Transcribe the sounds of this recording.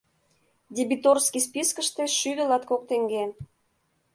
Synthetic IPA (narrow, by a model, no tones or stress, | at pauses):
d̪ʲibit̪orskispiskəʃt̪eʃyd̪əlɑt̪kok̚t̪eŋɡen